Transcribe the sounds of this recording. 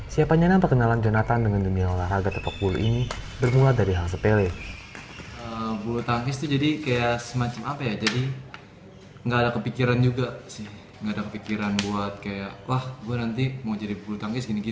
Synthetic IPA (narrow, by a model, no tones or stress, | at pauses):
siapaɲanapərkənaland͡ʒonat̪andəŋandumiaolaraɡat̪əpak̚ulṵʔḭnibərmuladaɾiɦaŋs̬əpelɛ | əbulut̪aŋkɪst̪ud͡ʒadikajaʔsəmat͡ʃamapajad͡ʒadi | ŋɡaːdakəpikiɾand͡ʒuɡasɪh | ŋɡaːdakəpikiɾanbuat̪̚kajalahɡuanant̪imawd͡ʒadibulut̪aŋkɪsɡiniɡi